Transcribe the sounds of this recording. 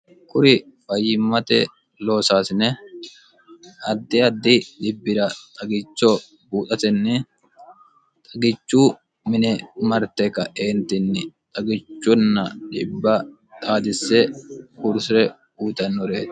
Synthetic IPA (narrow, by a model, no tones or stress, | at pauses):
kʊɾɪfɐjɪmːɐt̪ɛ | lo̞ːsaːsɪnɛ | ɐd̪ːɪɐd̪ːɪᶑɪbːɪɾɐt̪ʼɐɡɪt͡ʃːɔ | buːt̪ʼɐt̪ɛnːɪ | t̪ʼɐɡɪt͡ʃːuː | mɪnɛmɐɾt̪ɛkːɐʔeːnt̪ɪnːɪt̪ʼɐɡɪt͡ʃːʊnːɐᶑɪbːɐ | t̪ʼaːd̪ɪsɛhʊɾsɾɛ | uːt̪ɐnːɔɾeːt̪